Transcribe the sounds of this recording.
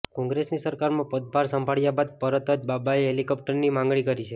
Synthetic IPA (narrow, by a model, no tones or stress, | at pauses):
kɔ̃ŋɡɾesnisəɾkaɾmãpəd̪̚bʱaɾsəmbʱaɭjabad̪̚pəɾət̪ət̪babaiɦelikɔp̚ʈəɾnimãŋɡɭikəɾit͡ʃʰe